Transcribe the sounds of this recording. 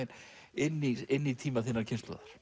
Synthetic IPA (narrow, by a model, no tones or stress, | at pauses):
ɪn | ɪnːiɪnːit̪ʰiːmaθɪnːaɾcʰɪnst̪lɔ̰ðaɾ̥